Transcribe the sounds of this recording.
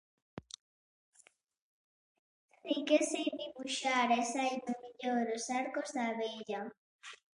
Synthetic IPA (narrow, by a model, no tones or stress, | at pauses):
θikeseðiβuʃaɾesajt̪ʊmiʎoɾosaɾkozðaβeʎa